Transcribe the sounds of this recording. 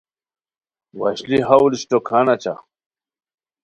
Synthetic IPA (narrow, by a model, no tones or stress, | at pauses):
wɐɕliɦawliɕtokʰanat͡ɕa̰